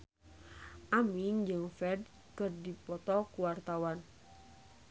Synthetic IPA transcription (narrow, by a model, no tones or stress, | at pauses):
ʔamiŋd͡ʒɨŋfɛd̚ | kɨrdipɔt̪ɔkuwart̪awan